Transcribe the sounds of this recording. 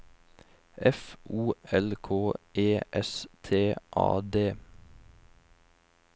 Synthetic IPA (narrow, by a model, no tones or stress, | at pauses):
ʔɛfʔuːɛlkʰoːʔeːʔɛst̪ʰeːʔɑ̰ːd̪eː